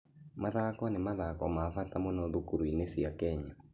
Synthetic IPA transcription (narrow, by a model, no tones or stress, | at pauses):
maðakɔnemaðakɔmafatamɔnɔðukuɾwinesiakɛɲa